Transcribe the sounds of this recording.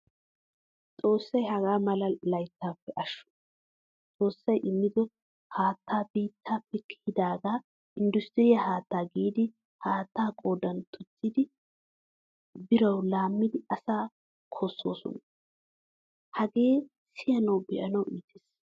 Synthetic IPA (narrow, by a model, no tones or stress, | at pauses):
t͡sʼo̞ːsːɐjhɐɡaːmɐlɐlɐjt̪ːaːpːɛʔɐʃːʊ̥ | t͡sʼo̞ːsːɐjʔɪmːɪd̪ɔ | haːt̪ːaːbiːt̪ʰːaːpːɛkɪhɪd̪aːɡaː | ʔɪnd̪ʊst̪ɪɾɪjahaːt̪ːaːɡiːd̪ɪ | haːt̪ːaːkʼo̞ːd̪ɐnt̪ʰʊt͡sːɪd̪ɪ | bɪɾɐwlaːmːɪd̪ɪɐsaː | kʰoːsːo̞ːsɔ̰nɐ | hɐɡe̞ː | sɪjɐnɐwbɛʔɐnɐwiːt̪ʰeːs